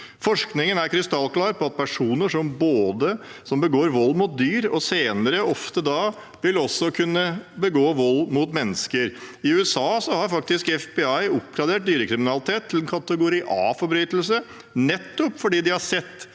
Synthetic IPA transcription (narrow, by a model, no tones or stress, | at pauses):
fɔʂknɪŋənæɾkʰɾɪst̪ɑlːklɑːɾpʰɔɑt̪̚pʰæʂuːnəʂɔmboːd̪əsɔmbəɡoːɾʋɔlːmʊt̪̚d̪yːɾɔseːnəɾəɔft̪əd̪ɑ | ʋɪlɔsːɔkʰʉnːəbəɡoːʋɔlːmʊt̪mɛnːəskəɾɪʉɛsɑːsɔhɑɾfɑk̚t̪ɪskɛfbɛɑɪɔp̚ɡɾɑd̪eːʈ̚d̪yːɾəkʰɾɪmɪnɑlɪt̪ʰeːt̪ʰːlɛnkʰɑt̪əɡʊɾiːʔɑ̰ːfɔɾbɾyːt̪lsə | nɛt̪ːɔpfɔɖiːd̪ɪhɑsɛt̪ː